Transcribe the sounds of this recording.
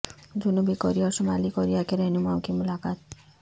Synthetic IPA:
d͡ʒunubikɔɾijasumalikɔɾijakeɾɛnumawkimulakat̪̚

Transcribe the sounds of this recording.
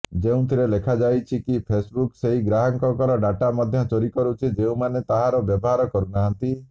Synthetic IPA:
d͡ʒeũt̪ʰiɾelekʰad͡ʒajt͡ʃʰikipʰesbukseɦiɡɾaɦɔŋkɔkɔɾɔɖaʈamɔd̪ʱjɔt͡ʃoɾikɔɾut͡ʃʰid͡ʒeũmanet̪aɦaɾɔbjɔbɔɦaɾɔkɔɾunaɦant̪i

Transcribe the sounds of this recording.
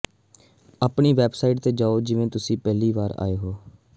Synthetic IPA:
aːpɳiːʋɛːbsaːiʈ̚t̪eːd͡ʒaːoːd͡ʒɪʋẽːt̪ʊsĩːpɛːliːʋaːɾa̰ːeːɦoː

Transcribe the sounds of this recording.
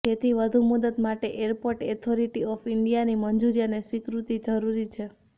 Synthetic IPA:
d͡ʒet̪ʰiʋəd̪ʱumud̪ət̪maʈeʔeɾpoɾʈet̪ʰoɾiʈiɔfɪɳɖijanimənd͡ʒuɾijanesʋikɾut̪id͡ʒəɾuɾit͡ʃʰe

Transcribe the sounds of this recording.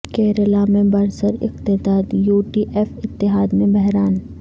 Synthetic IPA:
kɛːɾəlamẽbɐɾsəɾɪ̰qt̪ɪd̪aːd̪juːʈiʔeːfɪt̪ːɪɦaːd̪mẽbɛɦɾaːn

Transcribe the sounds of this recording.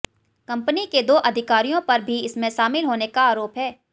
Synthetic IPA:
kɐ̃mpəniked̪oːʔɐd̪ʱɪkaːɾijõpɐɾbʱiɪsmẽʃaːmɪlɦoːnekaaːɾoːpɦɛː

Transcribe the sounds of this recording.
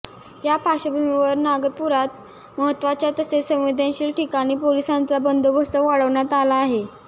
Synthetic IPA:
japaɕəbʱumiʋəɾnaɡəɾpuɾat̪̚ | məɦət̪ːʋat͡ɕjat̪əsesə̃w̃ʋid̪ʱanɕiːlʈikaɽ̃iːpolisant͡sabənd̪obʱəst̪əʋaɽəʋɳjat̪alaːɦe

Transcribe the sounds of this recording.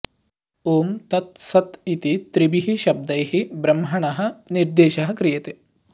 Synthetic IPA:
oːmt̪ɐt̪sɐt̪it̪it̪ɾibiɦiʃɐb̚d̪ɐjɦibɾɐmɦɐɳɐɦɐ̆niɾd̪eːʃɐɦɐkɾijɐt̪e

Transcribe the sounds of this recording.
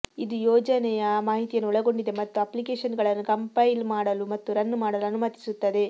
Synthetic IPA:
id̪ujɔːd͡ʒɐnɛjɐmaːɦit̪ijɐnːuɭɐɡo̞ɳɖid̪e̞mɐt̪ːuɐplikeːʂɐnɡɐɭɐnːukɐmpɐjlmaːɽɐlumɐt̪ːuɾɐnːmaːɽɐluɐnumɐt̪i̥sut̪ːɐd̪e̞

